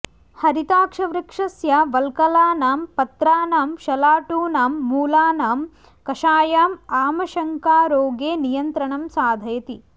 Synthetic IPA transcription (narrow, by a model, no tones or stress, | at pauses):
hɐɾit̪aːkʂɐʋɾɐkʂɐsjɐʋɐlkɐlaːnaːmpɐt̪ɾaːnaːmʃɐlaːʈuːnaːmːuːlaːnaːm | kɐʃaːjaːmaːmɐʃɐŋkaːɾoːɡeːnijɐnt̪ɾɐɳɐmsaːd̪ʱɐjɐt̪i